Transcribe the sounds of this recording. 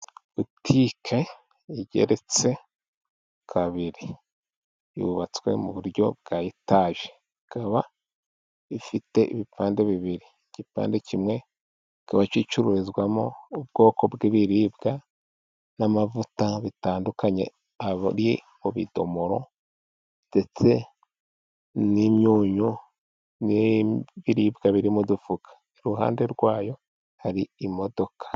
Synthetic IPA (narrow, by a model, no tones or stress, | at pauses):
βutʰikʰe̞ | iɟe̞̰ɾe̞t͡se̞ | kʰaβiɾiː | βuβat͡swe̞̰muβuɾjo̞̰b̚ɡaːjitaːʒe | ikaβa | ifite̞ʔiβipaːnde̞βiβiɾi | ɟ̥ipa̰ːnde̞cimŋe̞ | ikaβat͡ʃit͡ʃuɾuɾizɡwamo̞ubɡo̞ːko̞bɡiβiɾiːbɡa | namavutaβitaːndukaɲe̞̰ | aβɾje | oβḭdo̞moɾo̞̰ | d̥e̞t͡se̞ | nimjuːɲu | niβiɾiːbɡaβiɾimudufukʰḁ | eɾuɦa̰ːnde̞ɾɡwaːjo̞ | haɾiːmo̞do̞kʰḁ